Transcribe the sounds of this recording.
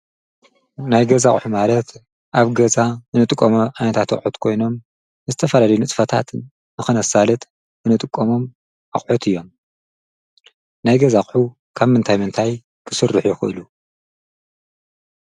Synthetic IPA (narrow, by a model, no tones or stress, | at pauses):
najɡɐzaχʼħumalɐt̪ | ʔaβɡɐzaɨnɨt̪ʼɨkʼːomuʕajnɐt̪ʰat̪ɨ̰χʼħut̪kʰo̞jno̞m | ɨzɨt̪ʰɐfɐlalɐjunɨt͡s̪ʼfɐt̪ʰa̰t̪ | nɨxɨnɐsalɨt̪ | ɨnɨt̪ʼɨkʼːomo̞m | ʔɨ̰χʼħut̪ʰɨjːo̞m | najɡɐzaχʼħu | kʰaβmɨnt̪ʰajmɨnt̪ʰaj | kʰɨ̥sɨrːɨħjɪxɨʔɨlu